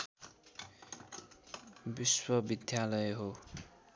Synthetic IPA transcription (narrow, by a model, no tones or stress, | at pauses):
biswʌbid̪ʱjalʌjɦo